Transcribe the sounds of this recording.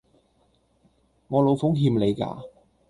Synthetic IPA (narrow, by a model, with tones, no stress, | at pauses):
ŋɔː˨˧lo˨˧wfʊ˨˥ŋɦiː˧mle˨˧jka̰ː˧